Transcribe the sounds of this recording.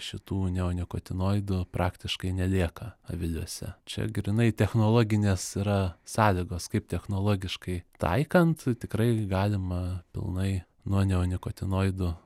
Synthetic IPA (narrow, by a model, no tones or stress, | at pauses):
ʃʲɪt̪uːnʲɛʊnʲɪkot̪ʲɪnoːɪd̪ʊpɾʔɑːkt̪ʲɪʃkɐɪnʲɛlʲeɛkɐɐ̰ʋʲɪlʲuɔsʲɛ̰t͡ʃʲɛ̰ɡʲɾɪnɐɪt̪ʲɛxnoːlˠoːɡʲɪnʲeːsiɾɐsɑːlʲɪɡoːskɐɪp̚t̪ʲɛxnoːlˠoːɡʲɪʃkɐɪt̪ɐ̰ɪkɐnt̪t̪ʲɪkɾɐɪɡɑːlʲɪmɐpʲɪ̰lˠnɐɪ | nuɔnʲɛʊnʲɪkoːt̪ʲɪnoːɪd̪ʊ